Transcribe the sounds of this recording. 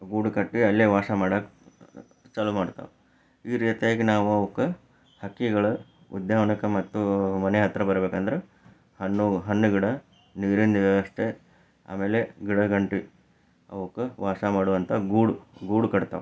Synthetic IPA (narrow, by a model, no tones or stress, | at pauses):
ɡuːɽukɐʈːiɐlːeːʋaːsɐmaːɽaːk | t͡ʃɐlumaːɽt̪a̰ʋe | iːɾiːt̪ijaːɡenaːʋuɐʋɐkːɐ | hɐkːiɡɐɭɐ | ṵd̪jaːʋɐɳɐkɐmɐt̪ːumɐneɦɐt̪ːɾɐbɐɾbeːkand̪ɐɾe | hɐnːuɦɐnːuɡiɽɐ | niːɾind̪id̪ɐɐʂʈe̞ | a̰ːme̞ːle̞ɡiɽɐɡɐɳʈi | ɐ̰ʋɐkːɐʋaːsɐmaːɽuʋɐnt̪ʰɐɡuːɽuɡuːɽukɐɽt̪a̰ːʋe